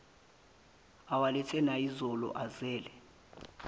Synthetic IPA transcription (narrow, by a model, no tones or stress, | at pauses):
awalɛtʰɛnaizɔlɔ̰ʔazɛːlɛ